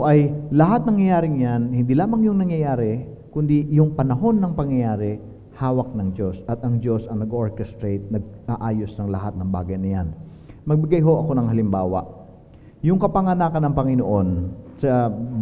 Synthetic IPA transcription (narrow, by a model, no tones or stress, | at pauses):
ʔɐjlɐɦat̪̚nɐŋjɐjaːɾɪŋjanhɪnd̪ilaːmɐŋjʊŋnɐŋjɐjaːɾɛkʊnd̪ijʊŋpɐnɐɦo̞nːɐŋpɐŋjɐjaːɾɛ | haːwɐk̚nɐŋd͡ʒo̞sʔɐt̪ʔɐŋd͡ʒo̞sʔɐŋnɐɡoɹkɛst̪ɾejt̪̚nɐɡ̚ʔaːʔaːjo̞snɐŋlɐɦat̪̚nɐŋba̰ːɡɐjnɐjan | mɐɡ̚bɪɡajɦo̞ʔɐko̞nɐŋhɐlɪmbaːwɐ̰ʔ | jʊŋkɐpɐŋɐnaːkɐnɐŋpɐŋɪnoʔo̞nsɐ